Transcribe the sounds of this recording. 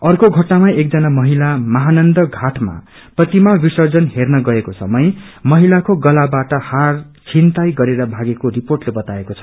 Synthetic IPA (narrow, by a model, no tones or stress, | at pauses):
ʌrkoɡʱʌʈnamaek̚d͡zʌnamʌɦilamʌɦanʌnd̪ʌɡʱaʈʰma̰ | prʌt̪imabisʌrd͡zʌnɦernʌɡʌekosʌ̰mʌjmʌɦilakoɡʌlabaʈʌhar | t͡sʰint̪ajɡʌɾeɾʌbʱaɡekoriporʈlebʌt̪aekot͡sʰʌ̥